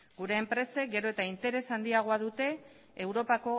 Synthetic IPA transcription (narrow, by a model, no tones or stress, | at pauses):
ɡuɾe̞ːmpɾe̞sek̚ɡe̞ɾo̞e̞t̪aint̪e̞ɾe̞sand̪iaɣ̞oaðut̪e̞ː | wɾo̞pako̞